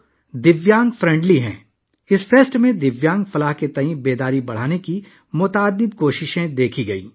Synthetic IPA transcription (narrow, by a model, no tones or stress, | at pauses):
d̪ɪʋjãːŋɡfɾɛ̃ɳɖliɦɛ̰̃ː | ɪsfʰeːsʈmẽd̪ɪʋjãːŋɡfɐlaɦket̪ɐɦĩbeːd̪aːɾibɐɽ̤aːneki | mʊt̪aːd̪ɪbkoːʃɪʃẽd̪eːkʰiɡɐḭː